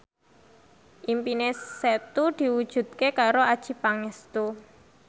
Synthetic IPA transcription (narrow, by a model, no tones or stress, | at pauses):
ʔimpineset̪ud̪̥i̤wud̥ʒ̥ṳd̪̥̚kekaɾoad̥ʒ̥i̤paŋɛst̪u